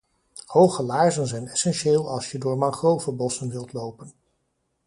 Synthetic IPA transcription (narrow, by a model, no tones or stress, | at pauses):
howχəlaːɹzənzɛjnɛsɛnʃeːlˠɑlˠsjədʊːɹmɑŋχrowvəbɔsənʋɪlˠtlowpən